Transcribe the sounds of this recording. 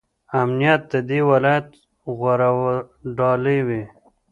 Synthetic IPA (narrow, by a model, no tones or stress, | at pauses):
amnijat̪̚d̪əd̪ewɪlɑjat̪ | ɣwaɾawaɖɑləjwi